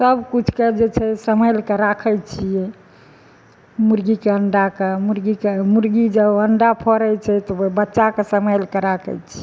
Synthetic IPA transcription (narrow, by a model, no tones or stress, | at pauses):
səbkut͡ʃʰked͡ʒet͡ʃʰɛsəməjlkeɾakʰəjt͡ʃʰijɛ | muɾɡikeəɳɖakemuɾɡikemuɾɡid͡ʒəbəɳɖapʰɔɾət͡ʃʰɛt̪obəbətːʃakesəməjlkeɾakʰə̰jt͡ʃʰiɛ